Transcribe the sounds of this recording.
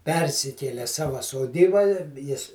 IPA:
ˈpʲɛrʲsʲɪkʲeːlʲɛ ˈsɑːʋɐ soːˈdʲiːbɐ ɪ ˈjɪs

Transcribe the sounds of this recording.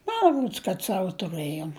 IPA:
ˈmɐ ˈroːts kɐt ˈsɑːʋoː tʊˈrɘjoːm

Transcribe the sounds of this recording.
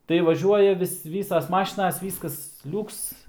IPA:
tɐɪ ʋɐˈʒʲuɔjɛ ʋʲɪs ˈʋʲiːsɐs ˈmɑːʃʲɪnɐs ˈʋʲiːskɐs ˈlʲʊks

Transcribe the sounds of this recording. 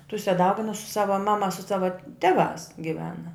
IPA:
ˈtʊsʲɛ ˈdɐʊɡʲɪnʊs sʊ ˈsɑːʋɐ ˈmɑːmɐ sʊ ˈsɑːʋɐ ˈtʲæːˌʋɑːs ɡʲɪˈʋʲæːnɐ

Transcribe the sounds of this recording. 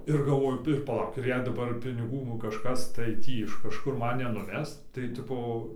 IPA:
ɪr ɡɐlˠˈʋoːjʊ ɪr pɐˈlˠɐʊk ɪr jɛɪ dɐˈbɐr pʲɪnʲɪˈɡuː nʊ kɐʃˈkɐs tɐɪ ˈtʲiː ɪʃ kɐʃˈkʊr ˈmɐn nʲɛnʊˈʋʲɛs tɐɪ ˈtʲɪpoː

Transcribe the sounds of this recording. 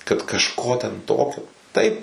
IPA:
kɐt kɐʃˈkoː tʲɛn ˈtoːkʲoː ˈtɐɪp

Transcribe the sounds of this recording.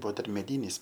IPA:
ˈbʊʋoː ˈdɐr ˈmʲæːdʲiːnʲɪs

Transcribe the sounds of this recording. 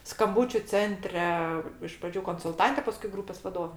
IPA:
skɐmˈbuːt͡ʃʲʊ ˈt͡sʲɛnʲtʲrʲɛ ɪʃ prɐˈd͡ʒʲuː koːnsʊlˠˈtɐnʲtʲɛ pɐˈskʊɪ ˈɡruːpʲeːs ʋɐˈdoːʋʲɛ

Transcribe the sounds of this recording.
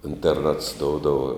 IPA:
ɪnʲtʲɛrˈnɐts ˈdoːʊdɐʋɐ

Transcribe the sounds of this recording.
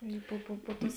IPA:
ˈɪ pʊ pʊ pʊ ˈtʊs

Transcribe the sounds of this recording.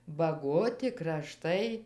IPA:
bɐˈɡoːtʲɪ krɐˈʃtɐɪ

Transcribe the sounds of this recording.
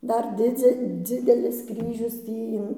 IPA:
ˈdɐr ˈdʲɪd͡zʲɛ ˈd͡zʲɪdʲɛlʲɪs ˈkrʲiːʒʲʊs ˈtʲiː ɪn

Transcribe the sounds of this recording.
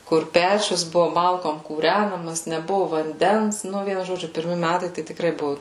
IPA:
kʊr ˈpʲæːt͡ʃʲʊs ˈbʊʋoː ˈmɐlˠkoːm kuːˈrʲænɐmɐs nʲɛˈbʊʋʊ ʋɐnʲˈdʲɛns ˈnʊ ˈʋʲiɛnʊ ʒoːˈd͡ʒʲʊ pʲɪrʲˈmʲɪ ˈmʲætɐɪ ˈtɐɪ tʲɪkˈrɐɪ ˈbʊʋʊ

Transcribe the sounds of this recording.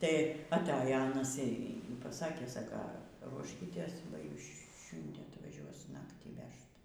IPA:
tɐɪ ɐtˈɑːjoː ˈɑːnɐs iː pɐˈsɑːkʲeː ˈsɑːkɐ ˈruɔʃʲkʲiːtʲeːs bɐ ˈjuːs ˈʃʲʊnʲdʲiɛ ɐtʋɐˈʒʲuɔs ˈnɑːktʲiː ˈʋʲɛʃt

